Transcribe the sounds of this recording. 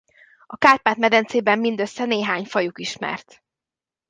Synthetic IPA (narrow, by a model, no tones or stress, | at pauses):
ɒkaːrpaːt̪mɛd̪ɛnt̪seːbɛmːind̪ø̞sːɛneːɦaːɲfɒjukiʃmɛ̰rt̪